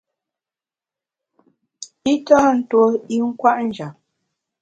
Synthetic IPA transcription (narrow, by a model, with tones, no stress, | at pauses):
i˦tɔ˦˨n̩˦two˦i˦ŋ̩˦kwa˦ʔn̩˦d͡ʒa˨p̚